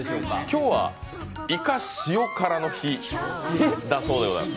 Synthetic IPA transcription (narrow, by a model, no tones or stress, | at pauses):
kʲo̞ːβa̰ | ikaɕɨjo̞kaɾano̞çi | d̪aso̞ːd̪eona̰